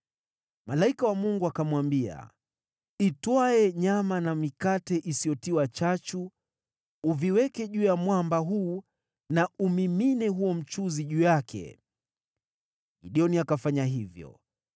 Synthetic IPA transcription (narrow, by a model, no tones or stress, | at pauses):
malaikawamuŋɡuakamwambia̰ | itwaɛɲamanamikatɛʔisiɔtiwat͡ʃat͡ʃu | uviwɛkɛʄuːjamwambaɦuː | naʔumiminɛɦuɔm̩t͡ʃuziʄuːjakʰɛ̰ | ḭɗiɔniakafaɲaɦivjɔ̰